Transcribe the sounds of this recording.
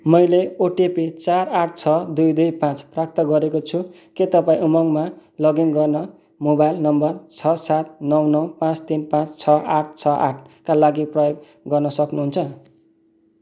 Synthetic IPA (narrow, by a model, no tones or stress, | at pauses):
mʌjleoʈepit͡saraʈ̚ʰt͡sʰʌd̪ujd̪ujpãt͡sprak̚t̪ʌɡʌɾekot͡sʰu | ket̪ʌpãĩʔumʌŋmalʌɡinɡʌrnʌ | mobajlnʌmbʌrt͡sʰʌsat̪̚nʌwnʌwpãt͡st̪inpãt͡st͡sʰʌʔaʈ̚ʰt͡sʰʌʔa̰ʈʰkalaɡiprʌjoɡ̚ | ɡʌrnʌsʌknuɦunt͡sʰʌ